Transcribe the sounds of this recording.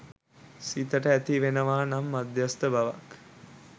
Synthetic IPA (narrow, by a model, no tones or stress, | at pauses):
sit̪əʈəæt̪iʋenəʋaːnamːad̪jast̪əbaʋak